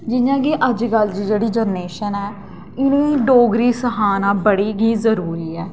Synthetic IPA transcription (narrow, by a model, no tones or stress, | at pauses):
d͡ʒɪjãːɡiːʔəd͡ʒɡəld͡ʒd͡ʒeːɽiːd͡ʒəɾneːʃənɛː | ɪnũːɖoːɡɾiːsəɦaːnãːbəɽiːɡiːzəɾuːɾiːɛː